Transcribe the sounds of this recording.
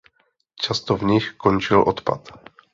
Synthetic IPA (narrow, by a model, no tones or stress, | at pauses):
t͡ʃast̪ovɲɪxkont͡ʃɪlʔot̪pa̰t̪